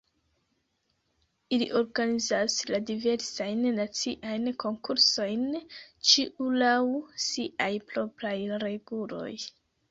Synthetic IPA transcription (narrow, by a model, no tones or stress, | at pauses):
ilḭʔo̞ɾɡanizasladive̞ɾsajnːat͡siʔajnko̞ŋkuɾso̞jnt͡ʃiʔulawsiʔajpɾo̞pɾajɾe̞ɡulo̞̰j